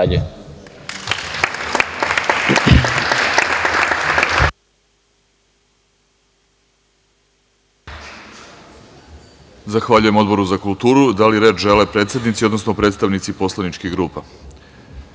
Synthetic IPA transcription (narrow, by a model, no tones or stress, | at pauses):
ʎe | zaxʋaʎuje̞mo̞d̪bo̞ɾuzakulˠt̪uːɾud̪aliɾeːt͡ʃʒelepɾe̞ːt̪sjed̪nit̪sio̞d̪nosnopɾet̪st̪aʋnit̪sipo̞slˠanit͡ʃkiɣɡɾuːpa